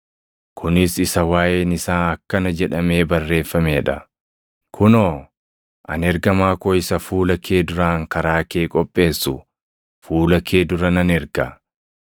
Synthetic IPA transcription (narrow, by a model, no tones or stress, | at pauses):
kʰʊnɪsɪsɐwaːjeːnɪsaːɐkːɐnɐd͡ʒɛᶑɐme̞ːbɐrːe̞ːfːɐmeːᶑɐ | kʰʊnoː | ʔɐ̰nɛɾɡɐmaːkoːɪsɐfuːlɐkʰe̞ːd̪ʊɾaːŋkɐɾaːke̞ːkʼɔpʼːe̞ːsːʊ | fuːlɐkʰe̞ːd̪ʊɾɐnɐnɛɾɡɐ